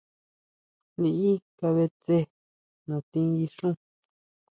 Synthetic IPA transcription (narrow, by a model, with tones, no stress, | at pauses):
li˧i˦ka˧βe˧t͡se˦ | nã˨t̪ĩ˧˦i˧ʂũ˦